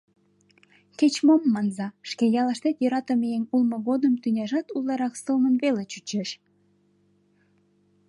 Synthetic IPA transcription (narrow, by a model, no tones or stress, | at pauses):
ket͡ɕmomːɑnzɑʃkejɑlɑʃt̪et̪jøɾɑt̪əmejenulmə̆ɣod̪əmt̪ynʲɑʒɑt̪ulˠːɑɾɑksəlmənβelet͡ɕyt͡ɕeʃ